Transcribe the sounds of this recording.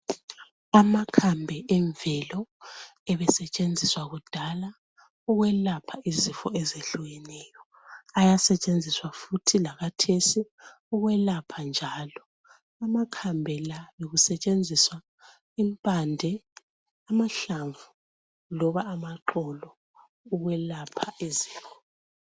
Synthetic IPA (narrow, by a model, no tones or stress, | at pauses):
amakʰambʱɛʔɛɱvɛlɔɛβɛsɛt͡ʃʼend͡zʱiswaɣud̥ʱala | uɣwɛlapʰaʔizifɔ̰ʔɛzeɬuɣɛnɛjɔ | ajasɛt͡ʃʼend͡zʱiswafutʰilaɣatʰesi | uɣwɛlapʰand͡ʒʱaːlɔ | amakʰambʱɛlaβeɣusɛt͡ʃʼend͡zʱiswa | impʼandʱɛ | amaɬaɱvu | lɔβaːmaǃɔlɔ | uɣwɛlapʰaiziːfɔ